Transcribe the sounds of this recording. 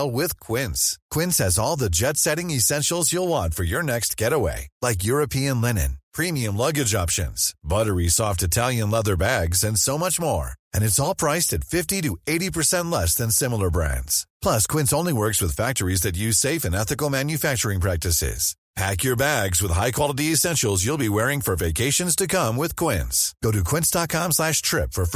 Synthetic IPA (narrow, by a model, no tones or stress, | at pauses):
lˠwɪð̥kʰw̥ɪ̃nskʰw̥ɪ̃nshɨzɔlˠðɨd͡ʒɛtsɛɾɪ̃ŋɨsɛ̃nʃl̩ˠzjulˠwɑ̃ntfə˞jə˞nɛkst̚ʰɡ̥ɛɾəwḛɪlaɪkjʊɹɨpʰiɨ̃nlɛnɨ̰̃npʰɹ̥ĩmiɨ̃mlʌɡɨd͡ʒɑpʃɨ̰̃nz̥bʌɾə˞isɔftɨtʰælˠjɨ̃nlʌðə˞bæɡzɨ̃nsoʊmʌt͡ʃmɔɹɨ̃ñɨtsɔlˠpʰɹ̥aɪstɨtfɪftiɾɨeɪɾipʰə˞sɛ̃nʔˡlɛsðɨ̃nsɪ̃ml̩ˠə˞bɹæ̰̃ndz̥pʰl̥ʌskʰw̥ɪ̃ntsõʊ̃nliwɜ˞kswɨð̥fæk̚tə˞izðɨt̬̚jʉz̥seɪfɨ̃nɛθɨkl̩ˠmæ̃njɨfæk̚t͡ʃə˞ɪ̃ŋpʰɹ̥æk̚tɨsɪ̰z̥ | pʰækjə˞bæɡzwəð̥ɦaɪkʰw̥ɑlˠəɾiɨsɛ̃nʃl̩ˠzjulˠbiwɛɹɪ̃ŋfə˞veɪkʰeɪʃɨ̃nz̥tʰɨkʰʌ̃mwɪð̥kʰw̥ɪ̃nsɡ̥oʊɾɨkʰw̥ɪ̃ntsd̥ɑt̚kʰɑ̃mslæʃtʰɹ̥ɪpfə˞f